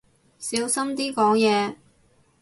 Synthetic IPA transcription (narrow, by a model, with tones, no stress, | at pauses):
siː˨˥wsɐ˥mt̪iː˥kɔː˨˥ŋjɛː˨˧